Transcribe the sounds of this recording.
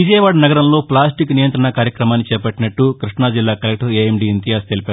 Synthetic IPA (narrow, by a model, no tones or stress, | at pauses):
ʋid͡ʒɐjɐʋaːɖnɐɡɐɾɐmlo̞ːplaːsʈiknijɐnt̪ɾɐɳɐkaːɾjɐkɾɐmaːnːit͡ʃɛːpɐʈːinɐʈːukɾiʂɳaːd͡ʒilːaːkɐlek̚ʈɐɾeemɖiːint̪ijaːst̪elipaː